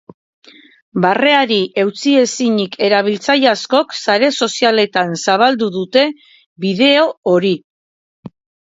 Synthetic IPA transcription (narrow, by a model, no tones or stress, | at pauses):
bare̞aɾiʔe̞wt͡sie̞siɲikʰe̞ɾaβ̞ilt͡sajasko̞ksaɾe̞so̞siale̞t̪ansaβ̞ald̪uðut̪e̞ | βiðe̞o̞oɾi